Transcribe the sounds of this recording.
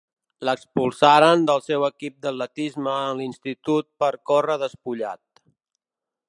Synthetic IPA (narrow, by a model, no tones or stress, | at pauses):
ləkspulˠsaɾənd̪əlˠsɛwəkip̚d̪əlːət̪izməːnlinst̪it̪ut̪̚pəɾkorəðəspuʎa̰t̪̚